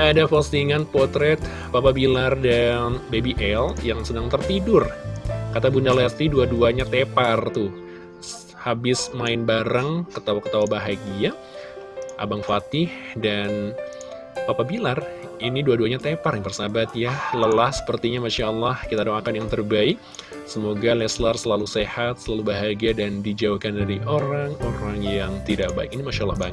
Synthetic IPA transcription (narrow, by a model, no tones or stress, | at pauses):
adapost̪iŋanpɔrt̪ɾɛt̪̚ | papabilardanbebiʔɛljaŋsənaŋt̪ərt̪idʊrkat̪abundalɛt̪iduaduaɲat̪epart̪ʊ | habɪsmaɪnbaɾaŋkət̪awakə̥t̪awabaɦaɡia | ʔa̰baŋfat̪ɪhdan | apabilar | iniduaduaɲat̪eparjaŋpərsabat̪jaləlahsə̥pərt̪iɲamaʃaəlːɑhkit̪adoŋakanjaŋt̪ərbaɪk̚ | səmoɡalɛslarsəlalusehat̪̚səlalubaɦaɡiadandid͡ʒaukandaɾiʔoɾaŋoɾaŋjaŋt̪idaʔ̚ba̰ɪkinimaʃalːɑ̰hbaɲə